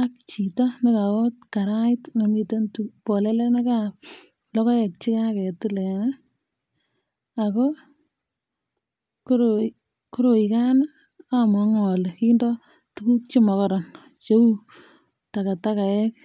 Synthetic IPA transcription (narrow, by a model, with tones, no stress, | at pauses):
a˦k̚t͡ʃi˨tɔnɪ˦ka˨kɔ˦tka˨ɾa˦ɪtŋa˨mi˦te˦ntupɔ˨lɛ˦le˦na˦ka˦ | lɔ˦kɔ˦jɛ˨k̚t͡ʃi˦ka˦kɛ˨tɪ˦lɛ˨na | a˨ko˦ | koɾo | ko˦ɾo˨i˨ka˦n˦ | a˦mɔ˨ŋɔ˨le˨ki˦ndɔ˦ | tuku˦k̚t͡ʃi˦mɔ˨kɔ˦ɾɔ˨n | t͡ʃe˦u˦ | ta˨ka˨ta˦ka˨ɛ˦k̚